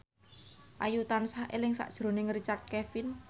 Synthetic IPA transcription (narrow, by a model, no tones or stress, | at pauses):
ʔajut̪ansaʔelɪŋsa̰ʔd̥ʒ̥ɾo̤nɪŋrit͡ʃart̪̚kɛfɪn